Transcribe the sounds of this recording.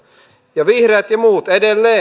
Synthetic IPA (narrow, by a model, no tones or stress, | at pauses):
jɑʋihreːt̪jɑmuːt̪edelːeː